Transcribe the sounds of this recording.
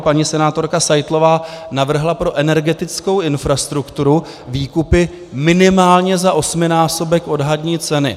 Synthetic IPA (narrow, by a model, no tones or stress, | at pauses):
paɲisɛnaːt̪o̞ɾkasajt̪lo̞vaːnavr̩ɦlapɾo̞ʔɛnɛɾɡɛt̪ɪt͡sko̞wʔɪnfɾast̪ɾukt̪uɾu | viːkupɪ | mɪnɪmaːlɲɛzaʔo̞smɪnaːso̞bɛkʔo̞dɦadɲiːt͡sɛnɪ̰